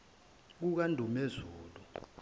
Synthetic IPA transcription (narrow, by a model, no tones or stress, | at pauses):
k̬uk̬andʱumezuːlu